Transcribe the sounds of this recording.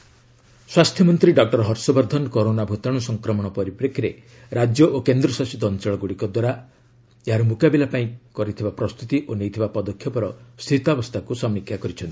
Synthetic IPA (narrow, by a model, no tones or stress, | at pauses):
swast̪ʰjɔmɔnt̪ɾiɖɔk̚ʈɔɾɦɔɾsɔbɔɾd̪ʱɔnɔkɔɾonabʱut̪ɔɽ̃ɔsɔŋkɾɔmɔɽ̃ɔpɔɾipɾekʰiɾe | ɾad͡ʒjɔʔokend̪ɾɔsasit̪ɔnt͡ʃɔɭɔɡuɽikɔd̪waɾa | eɦaɾɔmukabilapaĩkɔɾit̪ʰibapɾɔst̪ut̪iʔonejt̪ʰibapɔd̪ɔkʰːjɔpɔɾɔst̪ʰit̪abɔst̪ʰakusɔmːikʰjakɔɾit͡ʃʰɔnt̪i̥